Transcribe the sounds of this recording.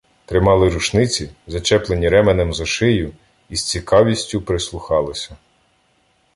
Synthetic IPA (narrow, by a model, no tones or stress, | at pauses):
t̪ɾɪmɑlˠɪɾuʃnɪt͡sʲizɐt͡ʃɛplenʲiɾɛmenemzɔʃɪjʊ | ist͡sʲikɑʋʲisʲtʲʊpɾɪslˠʊxɑlˠɪsʲɐ